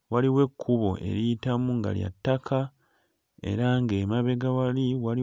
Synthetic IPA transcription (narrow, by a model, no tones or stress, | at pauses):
waliwe̞kʰːuβo̞̰ʔe̞̰ɾiitamuŋɡa̰lja̰tːakʰa | e̞̰ɾaŋɡe̞maβe̞ɡawaliwali